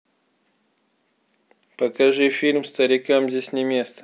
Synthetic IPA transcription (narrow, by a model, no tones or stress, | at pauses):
pəkɐʐɨfʲilʲmst̪əɾʲɪkamzʲesʲnʲɪmʲe̞st̪ə̥